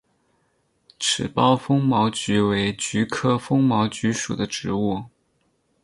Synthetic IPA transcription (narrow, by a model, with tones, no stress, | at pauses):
ʈ͡ʂʰɻ̩˨˩pɑ˥ʊfɤ˥ŋmɑ˧˥ʊt͡ɕy˧˥we˧˥ɪt͡ɕy˧˥kʰɤ˥fɤ˥ŋmɑ˧˥ʊt͡ɕy˧˥ʂṵ˨˩d̪ə˦ʈ͡ʂɻ̩˧˥u˥˩